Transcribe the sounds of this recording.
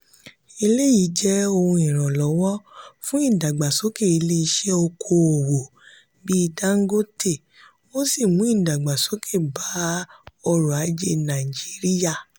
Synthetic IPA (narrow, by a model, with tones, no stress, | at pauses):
i˧le˦ji˨˦d͡ʒɛ˦o˧hũ˧ĩ˨ɾ̃ɔ̃˨lɔ˨˦wɔ˦fũ˦ĩ˦˨da˨ɡ͡ba˨so˨˦ke˦˨i˧le˦i˧ʃɛ˦o˧kʰo˧o˨wo˨ | bi˦˧da˦ŋ̩˦ɡo˦te˦˨ | o˦si˦˨mũ˨˦i˦˨da˨ɡ͡ba˨so˨˦kʰe˦˨ba˨˦ɔ˧ɾu˨a˨˦d͡ʒe˦nã˨i˨d͡ʒi˨˦ɾi˦ja˦˨